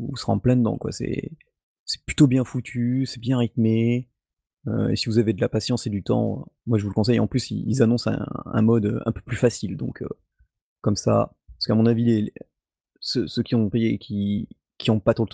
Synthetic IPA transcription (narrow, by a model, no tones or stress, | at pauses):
usə̥ʁɑ̃plɛ̃d̪ɑ̰̃kwa̰sɛ̰ | sɛ̥plyt̪objɛ̃fut̪ʰysɛbjɛ̃ʁit̪me | ø̰ḛsivuzaved̪əlapasjɑ̃sed̪yt̪ɑ̰̃mwaʒəvuləkɔ̃s̬ɛjɑ̃plysḭḭlzanɔ̃sɛ̰̃ɛ̰̃mɔd̪ø̰ɛ̰̃pø̥plyfasild̪ɔ̰̃kʰø̰ | kɔmsa̰pasə̥kamɔ̃navilele | søsøkʲiɔ̃pejekʲi | kʲiɔ̃pat̪χolt̪